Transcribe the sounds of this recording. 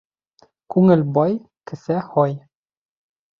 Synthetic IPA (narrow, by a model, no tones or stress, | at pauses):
kʉŋɘ̆lʲbɒj | kɘ̆sæhɒj